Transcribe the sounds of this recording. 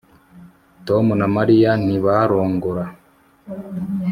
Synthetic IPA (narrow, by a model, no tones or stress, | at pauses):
to̞munamaɾijan̥iβaɾo̞ːŋɡoɾa